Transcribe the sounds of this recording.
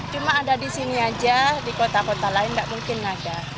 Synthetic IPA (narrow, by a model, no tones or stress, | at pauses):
t͡ʃumaːdadisiniad͡ʒadikot̪akot̪alaɪndaʔmuŋkɪnːad͡ʒa